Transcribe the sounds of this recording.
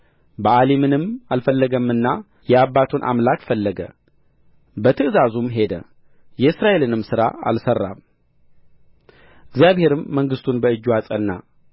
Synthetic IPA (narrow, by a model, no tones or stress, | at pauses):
bəʔalimɨnɨmalfəlːəɡəmːɨnːa | jɛabːat̪ʰunʔa̰mlakfəlːəɡə̰ | bət̪ʰɨʔɨzazumɦe̞d̪ə̰ | jɛɨsɾaʔe̞lɨnɨmsɨɾa̰a̰lsərːa̰m | ɨɡzjaβhe̞ɾɨmːəŋɡɨst̪ʰunbəɨd͡ʒːuasʼənːa̰